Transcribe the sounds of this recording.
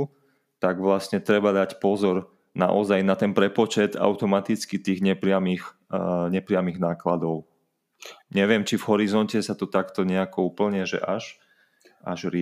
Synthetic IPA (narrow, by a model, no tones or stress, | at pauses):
t̪aɡʋlasɲɛt̪ɾɛbad̪acpɔzɔɾ | na̰ʔɔzajnat̪ɛnpɾɛpɔt͡ʃɛt̪a̰ʊt̪ɔmat̪it͡skit̪iːɣɲɛpɾɪamix | ɲɛpɾɪamiɣnaːklad̪ɔʊ | ɲɛʋɪɛmt͡ʃivɦɔɾizɔncɛsat̪ɔt̪akt̪ɔɲɛakɔuːpl̩ɲɛʒɛ̰ʔaʃ | a̰ʒɾɪ